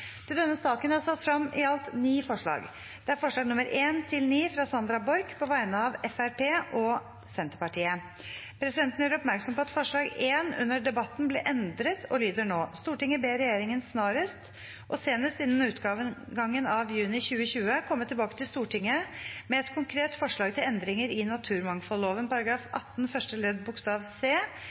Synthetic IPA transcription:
t̪ʰɪld̪ɛnːəsɑːkənhɑsɑt̪ːfɾɑmʔɪɑlt̪niːfɔʂɭɑ̰ːɡ | d̪̥ɛæɾfɔʂɭɑːɡnʊməɾʔeːnt̪ʰɪlniːfɾɑsɑnd̪ɾɑbɔɾɡpʰɔʋæɪnəɑʋɛfæɾpʰeːʔɔ | sɛnt̪əpɑʈiːə | pʰɾɛsɪd̪ɛnt̪ənjøːɾɔpmæɾksɔmpɔɑt̪fɔʂɭɑːɡeːnʉ̰nːəɖɛbɑt̪ːnblɛʔɛnd̪ɾət̪ʰɔlyːd̪əɳoːst̪uːʈɪŋːəbeːɾɛjeːɾɪŋənsnɑːɾəst̪ | ʔɔseːnəst̪ɪnːən̩ʉːt̪ɡɑːʋəɡɑŋːənɑʋjʉːnɪçʉːəçʉːəkʰɔmːət̪ʰɪlbɑːkə̥t̪ʰɪlst̪uːʈɪŋːəmɛɛt̪kʰʊŋkʰɾeːt̪fɔʂɭɑːɡ̚t̪ʰɪlɛnd̪ɾɪŋəɾɪnɑt̪ʰʉːɾmɑŋfɔloːʋənpɑɾɑɡɾɑːfɑ̰t̪ːnfœʂʈəlɛd̪bʊkst̪ɑːʋseː

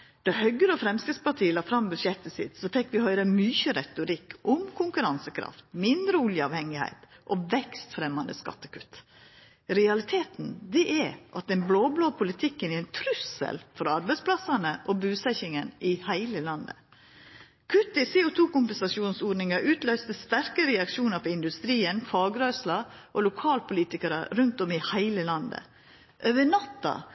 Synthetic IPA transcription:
d̪̥ɑhœɡəɾəɔfɾɛmskɾɪt̪spɑʈʰiːəlɑːfɾɑmbʉʃjɛt̪ːəsɪ̰t̪sɔfɛkːʋɪhœʏɾəmyçəɾɛt̪ʊɾɪkʰːʔʊmkʰʊŋkʉɾɑnsəkʰɾɑ̰ft̪mɪnd̪ɾəʊljəɑːʋhɛŋːɪhæ̰ɪt̪ʔɔʋɛkst̪fɾɛmːɑnd̪ə̰skɑ̰t̪ːə̥kʉt̪ː | ɾɛɑlɪt̪ʰeːt̪n̩d̪ɛʔɛʔɑt̪ɛnbloːbloːpʰʊlɪt̪ʰɪkːənɛɾɛɪnt̪ʰɾʉsə̰lfɔɾɑɾbæɛɪspʰlɑsɑnəʔɔbʉːsɛçɪŋənʔɪhæɪləlɑnd̪ə̰ | kʰʉt̪ːɪsɛːʊt̪ʰuːkʊmpɛnsɑʃuːnsoːɖnɪŋɑʔʉːt̪lœʏst̪əst̪æɾkəɾɛɑkʃuːnɑpʰɔɪnd̪ʉst̪ɾiːənfɑːɡɾœʏslɑʔɔlʊkʰɑːlpʰʊliːt̪ɪkəɾɑɾʉnt̪ɔmɪhæɪləlɑnd̪ə̰ | ʔøːʋəɳɑt̪ːɑ̰

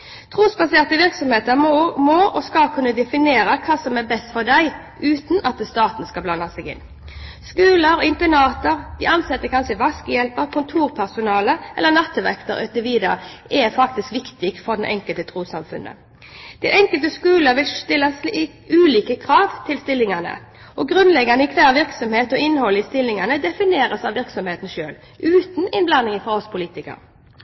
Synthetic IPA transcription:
t̪ʰʁuːsbɑseːʁt̪əʋɪʁksɔmheːt̪əɾmoːʔɔskɑlkʰʉnːəd̪ɛfɪneːɾəkʰɑːsɔmɛbɛst̪fɔʁd̪æɪ | ʔʉːt̪n̩ʔɑt̪əst̪ɑːt̪nskɑblɑnːɑsɛɡɪ̰nː | skʉːləɾɪmp̪ɛnɑːt̪əɾd̪̥ɪɑnsɛt̪ːəkʰɑnsʂəʋɑskəjɛlpəɾkʰʊnt̪ʰuːɾpʰæsʊnɑːləʔɛ̰lːənɑt̪ːʋɛ̰kt̪ə̰ɾœt̪əʋiːd̪əɾʔɛfɑk̚t̪ɪskʋɪkt̪ɪɡ̪fɔʁd̪ɛnʔɛŋkəlt̪ət̪ʰʁuːsɑmfʉ̰nʔə̰ | dd̪̥æɪʔɛŋkəlt̪əskʉːləɾʋɪlt̪ɪlːəs | ʉːliːkəkʰɾɑːʋt̪ʰɪlst̪ɪlːɪŋɑnə̰ | ɔɡɾʉnlɛɡːɑnəɪkʰʋæːʁʋɪʁksɔmheːt̪ɔɪnːhɔlːəɪst̪ɪlːɪŋɑnəd̪ɛfɪneːɾəsɑʋɪɾksɔmheːt̪n̩ʃø̰ːl | ʔʉːt̪n̩ɪnblɑnːɪŋəfɔʁɔspʰʊliːt̪ɪkə̰ɾ

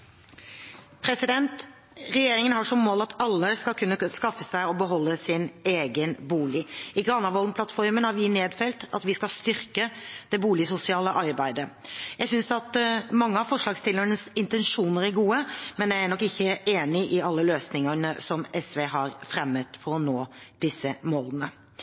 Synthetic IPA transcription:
pʰɾɛsɪd̪ɛnt̪ | ɾɛjeːɾɪŋənhɑʂɔmːoːlɑt̪ʰɑlːəskɑlkʰʉnːəskɑfːəsæɪɔbəɦɔlːəsɪneːɡənbuːlɪɪɡɾɑnɑʋɔlmpʰlɑt̪fɔɾmənhɑɾʋɪneːd̪fɛlt̪ɑ̰t̪ʋɪskɑlst̪ʏɾkəd̪ɛbuːlɪsʊsɪɑːləʔɑɾbæɪd̪əjæɡsʏnsɑt̪mɑŋːəɑfɔʂlɑːɡst̪ɪlːəɳəsɪnt̪ɛnʂuːnəɾæɡuːəmɛnjææɳɔkːɪçːəʔeːnɪʔɪɑlːəløːsnɪŋənəsɔmɛsʋeːɦɑɾfɾɛmːət̪fɔɾɔnoːd̪̥ɪsːəmoːlənə

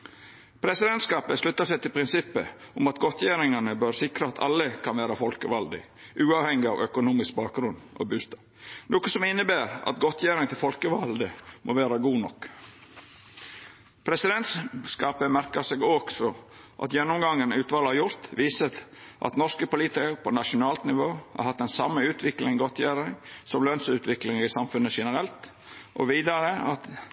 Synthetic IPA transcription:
pʰɾɛsɪd̪ɛnt̪skɑːpəslʉt̪ːɑsɛt̪ɪlpʰɾɪnsɪpːə̰ʊmɑt̪ɡɔt̪ʰjæːɾɪŋɑnəbøɾsɪkɾəɑt̪ʰɑ̰lːəkʰɑnʋæːɾɑfɔlkəʋɑld̪ɪ̰ | ʔʉːɑːʋhɛŋɪɑ̰ʋœkʊnuːmɪsk̚bɑːk̚ɡɾʉno̰bʉːst̪ɑː | noːkəsɔmɪnːəbæːɾɑ̰t̪ɡɔt̪ʰjæːɾɪŋt̪ʰɪlfɔlkəʋɑld̪əmʔo̰ːʋæːɾɑɡuːnɔkː | pʰɾɛsɪd̪ɛnt̪sskɑːpəmæɾkəsɛɡɔɡ̥sɔ | ʔɑ̰t̪jɛnːɔmɡɑŋːənʉːt̪ʋɑːləhɑɾjʊɾt̪ʋiːsət̪ʔɑ̰t̪nɔʂkəpʊliːt̪ɪkəɾpʰɔnɑʂʊnɑːlt̪nɪʋoːhɑ̰ɾhɑt̪ːɛnsɑmːəʉːt̪ʰʋɪklɪŋɡɔt̪ʰjæːɾɪŋsɔmlœnsʉːt̪ʰʋɪklɪŋəɾɪsɑmfʉnːəʂɛnəɾɛlt̪ | ʔɔ̰ʋiːd̪ɑɾəɑt̪

